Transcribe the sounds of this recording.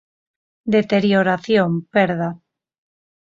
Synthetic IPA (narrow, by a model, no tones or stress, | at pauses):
d̪et̪eɾjoɾaθjompeɾða